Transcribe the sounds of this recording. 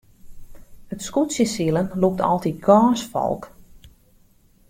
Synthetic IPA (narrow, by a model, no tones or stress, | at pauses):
ətskutsjəsilˠənluk̚tʰɔ̰lˠtit̚ɡaːsfɔ̰lˠk